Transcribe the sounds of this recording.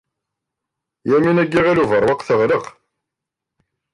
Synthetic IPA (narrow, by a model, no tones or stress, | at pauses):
jæminæɡːiʁiluvəɾˤwɑqθəʁləq